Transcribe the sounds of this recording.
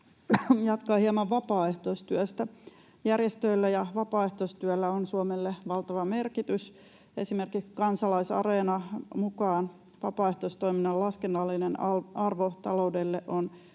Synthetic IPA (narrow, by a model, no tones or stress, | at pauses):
jɑt̪kɑːhiɑmɑʋʋɑpɑːeht̪oist̪yøst̪æ | jærjest̪øilːæjɑʋɑpɑːeht̪oist̪yølːæonsuomelːeʋɑlt̪ɑʋɑme̞rkit̪ys | esimerkikskɑnsɑlɑisɑ̰reːnɑmukɑːn | ʋɑpɑːeht̪oist̪oiminːɑlɑskenːɑlːinenɑrʋot̪ɑ̰loudelːeʔon